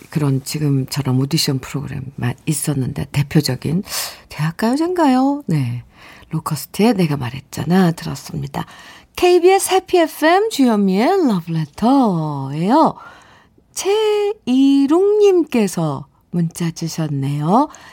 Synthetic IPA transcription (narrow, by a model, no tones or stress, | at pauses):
kɯɾʌnt͡ɕiɡɯmt͡ɕʌɾamodiɕʰʌnpʰɯɾoɡɯɾḛmːa̰nis͈ʌnːɯnde̞̰te̞pʰjod͡ʑʌɡinte̞aɭk͈ajot͡ɕenɡajone̞ | lokʰʌsʰɯ̥tʰɯe̞ne̞ɡamaɾɦe̞t̚t͡ɕ͈a̰natɯɾʌ̰s͈ɯmɲidakʰe̞ibiesʰepʰie̞pʰe̞mt͡ɕujʌmielʌbɭetʰʌejʌ | t͡ɕʰeiɾoŋɲimk͈e̞sʰʌ | munt͡ɕ͈at͡ɕiɕʰʌnːe̞jo